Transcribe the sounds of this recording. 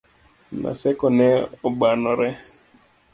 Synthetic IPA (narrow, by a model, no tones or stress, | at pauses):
na̰sɛkɔnɛɔɓanɔɾɛ